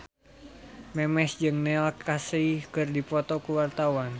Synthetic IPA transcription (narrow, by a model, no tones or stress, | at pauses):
mɛmɛsd͡ʒɨŋnɛalkʰaseikɨrdipɔt̪ɔkuwart̪awan